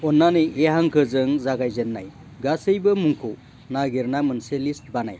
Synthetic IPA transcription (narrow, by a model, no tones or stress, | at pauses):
ɔnːanɯjeɦaŋkʰɯzɯŋzaɡajzenːa̰j | ɡasɯjbɯmuŋkʰu | naɡiɾnamɯnselist̚bana̰j